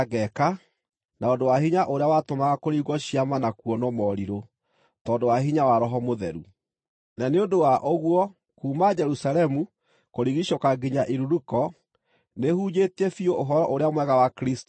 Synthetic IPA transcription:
aɣɛka | naondowaɦiɲaʔoɾeawatomaɣakoɾiɣɔɕiamanakwɔnɔmɔɾiɾo | tɔːndowaɦiɲawaɾɔɦɔmoðɛɾṵ | naneondowaʔoɣwɔ | kuːmad͡ʒɛɾusalɛmu | koɾiɣiɕokaɡiɲaʔiɾuɾukɔ | nehuːɲetɛfioʔoɦɔɾɔʔoɾeamwɛɣawakɾist

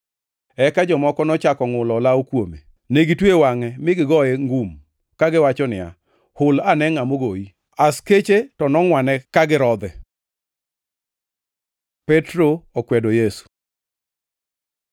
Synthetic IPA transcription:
ɛkad͡ʒɔmɔkɔnɔt͡ʃakɔŋʊlɔlawokwomḛ | neɡitwewaŋɛmɪɡɪɡɔjeŋɡum | kaɡɪwat͡ʃɔnɪa̰ | hʊlanɛŋamoɡoi | asket͡ʃetɔnɔŋwanɛkaɡɪɾɔd̪ɛ | pɛtɾoɔkwɛdojesu̥

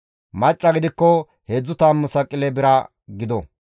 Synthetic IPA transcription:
mɐt͡ʃʼːɐɡɪd̪ɪkːɔ | heːd͡zːʊt̪aːmːʊsɐkʼɪlɛbɪɾɐ | ɡɪd̪ɔ

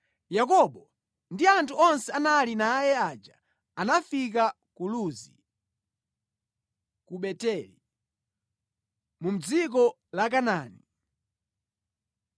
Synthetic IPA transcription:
jakɔɓɔ | ndiantʰuɔnsɛanalinaːjɛad͡ʒa | anafik̬a | kuluzi | kuɓɛtɛli | mum̩d͡zik̬ɔ | lak̬anaːni

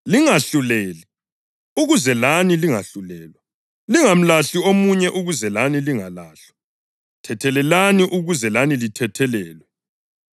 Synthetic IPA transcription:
liŋaɬulɛːli | uɣuzɛlaniliŋa̰ɬulɛːlwa | liŋam̩laɬiomuɲɛʔuɣuzɛlaniliŋalaːɬa | tʰɛtʰɛlɛlaniʔuɣuzɛlanilitʰɛtʰɛlɛːlwɛ

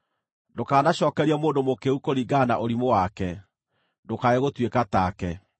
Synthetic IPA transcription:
dokaːnaɕɔːkɛɾiamoːndomokeukoɾiɡaːna̰ʔoɾimowakɛ | ndokaeɣotwekataːkɛ

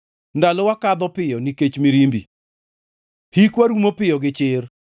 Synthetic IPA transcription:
ndalɔwakad̪ɔpɪjɔniket͡ʃmiɾimbḭ | hikwaɾumopɪjɔɡɪt͡ʃɪr

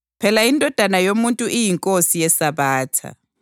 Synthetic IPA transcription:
pʰɛlaindʱɔd̥ʱanajomuntʼuʔijiŋkʼosijɛsaβaːtʰa̰

